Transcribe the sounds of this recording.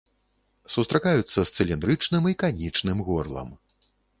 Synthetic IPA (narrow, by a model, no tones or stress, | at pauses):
sust̪ɾakajut̪sːɐst̪sɨlʲind̪ɾɨt͡ʂnɨmikanʲit͡ʂnɨmɣɔrlˠɐ̰m